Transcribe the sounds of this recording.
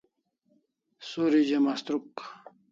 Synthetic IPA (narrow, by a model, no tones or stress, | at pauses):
soɾid͡ʑemast̪ɾuk